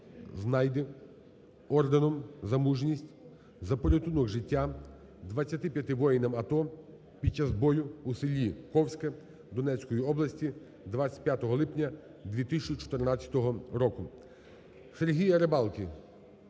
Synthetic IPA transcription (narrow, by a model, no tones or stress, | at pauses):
znɑjd̪ɛ | ɔrd̪enɔmzɐmuʒnʲisʲtʲ | zɐpɔɾʲɔt̪unɔɣʒɪtʲːa | d̪ʋɐt͡sʲːɐt̪ɪpʲjɐt̪ɪʋɔjinɐmɐt̪ɔ | pʲid̚t͡ʃazbɔjʊusɪlʲːikɔwsʲkɐ | d̪ɔnɛt͡sʲkɔjiɔblˠɐsʲtʲi | d̪ʋat͡sʲɐ̥t̚ʲpjat̪ɔɦɔlˠɪpnʲɐ | d̪ʲʋʲit̪ɪsʲt͡ʃit͡ʃɔ̥t̪ɪrnɑt͡sʲjɐ̥t̪ɔɦɔɾɔkʊ | seɾɦʲijɐɾebɑlˠkʲi